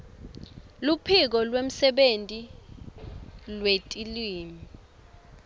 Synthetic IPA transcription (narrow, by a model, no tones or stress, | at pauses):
lupʰik̬ɔlwem̩sɛɓentʼi | lwetʼiliːmi